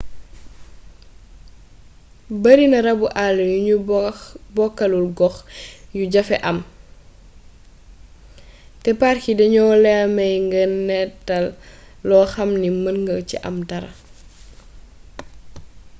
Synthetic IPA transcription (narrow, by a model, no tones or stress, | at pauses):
bɐɾinɐɾɐbuʔaljuu | bɔkːɐlulɡɔxjuɟɐfɛʔɐm | tɛparkidɐɲɔːlɛɐmɐjŋɡɐnnɛtɐlː | ɔxɐmnimɐnŋɡɐcḭʔɐ̰mtɐɾɐ̰